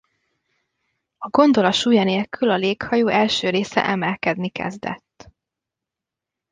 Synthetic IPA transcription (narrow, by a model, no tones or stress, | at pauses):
ɒɡo̞nd̪o̞lɒʃuːjɒneːlkylɒleːkhɒjoːʔɛlʃøːɾeːsɛ̰ʔɛmɛlkɛd̪nikɛ̰zd̪ɛ̰t̪ː